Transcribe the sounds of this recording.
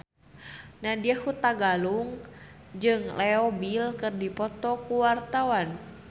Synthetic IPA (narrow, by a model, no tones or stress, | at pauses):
nadiahut̪aɡaluŋ | d͡ʒɨŋlɛɔbilkɨrdipɔt̪ɔkuwart̪awan